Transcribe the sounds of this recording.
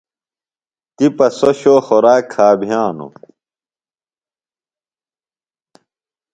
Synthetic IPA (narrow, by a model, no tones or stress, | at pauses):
t̪ipɐsoɕoːxoɾaːkʰːaːbʱijaːnṵ